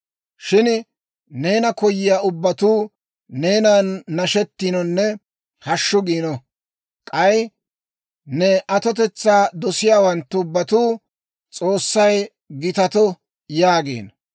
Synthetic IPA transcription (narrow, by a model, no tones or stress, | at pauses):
ʃɪn | ne̞ːnɐkɔjːɪjaːʊbːɐt̪uː | ne̞ːnaːnːɐʃɛt̪ːɪnɔnːɛ | hɐʃːʊɡiːnɔ | kʼɐj | nɛʔɐt̪ɔt̪ɛt͡sːaːd̪ɔsɪjaːwɐnt̪ːʊʊbːɐt̪uː | t͡sʼoːsːɐj | ɡɪt̪ɐt̪ɔ | jaːɡḛːn